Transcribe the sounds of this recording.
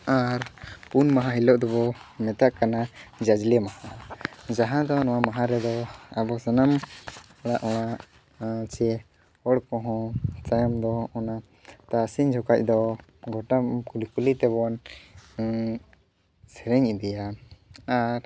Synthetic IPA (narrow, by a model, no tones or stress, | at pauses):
aɾpunmaɦãɦilɔʔd̪ɔbɔmɛt̪aʔkanad͡ʒad͡ʒlɛmahad͡ʒaɦãd̪ɔnɔwamaɦãɾɛd̪ɔabɔsanam | ɔɽ̃aʔɔɽ̃a | t͡ʃɛ | hɔɽkɔɦɔ̃t͡ʃajɔmd̪ɔɔna | t̪asiɲd͡ʒʱɔkac̚ˀd̪ɔ | ɡʱɔʈakulikulit̪ɛbɔn | sɛɾɛɲid̪ɛjaaɾ